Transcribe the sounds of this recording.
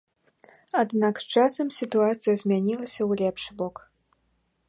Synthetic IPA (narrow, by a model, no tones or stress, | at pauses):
ad̪nakst͡ʂasɐmsʲit̪uat̪sɨjɐzʲmʲanʲilˠɐsʲɐwlʲɛpʂɨbɔk